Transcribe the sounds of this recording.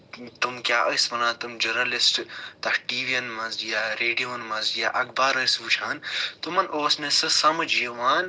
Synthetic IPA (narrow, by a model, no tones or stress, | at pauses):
t̪umkjaːʔɐsʋɐnãːt̪umd͡ʒɐɾnɐlisʈt̪ɐhʈiːʋijɐnmɐnzjaːɾeːɖijoːnmɐnzjaʔɐkbaːɾɐsʋut͡ʃʰaːnt̪umɐnʔoːsnesɐsɐmɐd͡ʒjeʋaːn